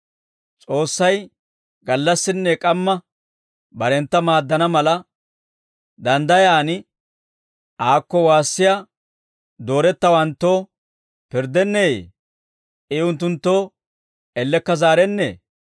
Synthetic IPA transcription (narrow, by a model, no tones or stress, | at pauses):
t͡sʼo̞ːsːɐj | ɡɐlːɐsːɪnːɛkʼɐmːɐ | bɐɾɛnt̪ːɐmaːd̪ːɐnɐmɐlɐ | d̪ɐnd̪ɐjaːnɪ | ʔaːkːɔwaːsːɪja | d̪o̞ːɾɛt̪ːɐwɐnt̪ːo̞ː | pɪɾd̪ɛnːeḛ | ɪʊnt̪̬ːʊnt̪ːo̞ː | ɛlːɛkːɐzaːɾɛnːḛː